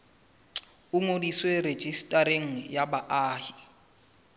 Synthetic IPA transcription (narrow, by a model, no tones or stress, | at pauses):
ʊŋodiswered͡ʒistʼaɾeŋ̩jabaʔaːhi